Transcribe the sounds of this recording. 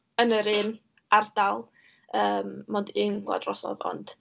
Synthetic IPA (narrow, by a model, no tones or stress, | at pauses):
ənəɾɪːn | ard̥alˠ | əːmmɔndiŋɡwla̰drɔsɔ̰ðɔ̰nd̥